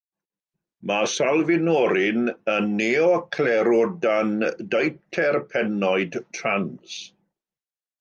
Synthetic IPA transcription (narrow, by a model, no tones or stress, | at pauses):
masalˠvɪnɔɾɪnənːeɔkʰlɛɾɔdandejtʰɛrpʰɛnɔɨdtʰrans